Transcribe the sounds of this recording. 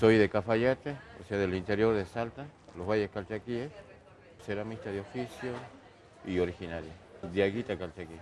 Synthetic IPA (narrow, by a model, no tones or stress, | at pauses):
sojðekafaʝat̪eo̰seaðelint̪eɾjoɾðesalt̪aloβajeskalt͡ʃakies | seɾamist̪aðeofisjo | ioɾixinaɾjad̪jaɣit̪akalt͡ʃaki